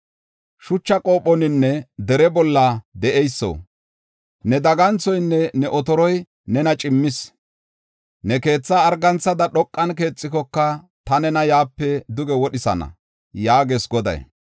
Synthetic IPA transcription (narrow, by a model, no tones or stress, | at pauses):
ʃʊt͡ʃːɐkʼo̞ːpːɔnɪnːɛd̪ɛɾɛbɔlːɐd̪ɛʔɛjsːo̰ː | nɛd̪ɐɡɐnt͡sɔjnːɛnɛʔɔt̪ɔɾɔj | nɛnɐt͡ʃʼɪmːɪs | nɛke̞ːt͡sːaːɾɡɐnt͡sːɐd̪ɐɗɔkʼːɐnke̞ːt͡sʼːɪkɔkːɐ | t̪ɐnɛnɐjaːpːɛd̪ʊɡɛwɔɗɪsɐ̰nɐ̰ | jaːɡesɡɔd̪ɐ̰j